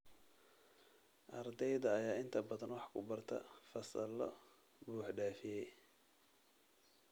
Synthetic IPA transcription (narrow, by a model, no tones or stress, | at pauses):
ʔɐrd̪ɛjðɐːjaːɪnt̪ʰɐbɐðɐnwɑħkʰʊbɐrt̪ʰɐ̰fɐsɐlɔ̰ | buːħɖaːfɪjɛj